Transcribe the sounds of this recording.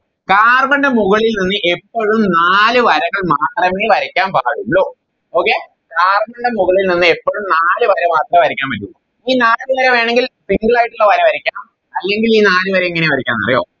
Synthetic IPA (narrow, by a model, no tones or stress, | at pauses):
kaːrmɐɳɖemuɣɐɭilninːɨʔe̞pːoɻumnaːlɨʋɐɾɐŋɐɭmaːt̪rɐmeːʋɐɾikʲːaːnpaːɣumɭoː | oːkːe | kaːrmɐɳɖemuɣɐɭilninːɨe̞pːoːɻumnaːlɨʋɐɾɐmaːt̪rɐʋɐɾikʲːaːnmpɐtːulːu | iːnaːɨʋɐɾɐʋe̞ːɳeŋɡilsiŋɡɐɭaːjiʈːuɭːɐʋɐɾɐʋɐɾikʲːaː | ɐlːe̞ŋɡiliːnaːlɨʋɐɾɐeŋːɐneʋɐɾikʲːa̰ːnːɐ̰rɐ̰jo̰ː